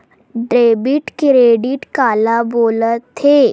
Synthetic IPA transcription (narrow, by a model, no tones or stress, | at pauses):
ɖɾebiːʈkɾeɽiːʈkalabolət̪ʰe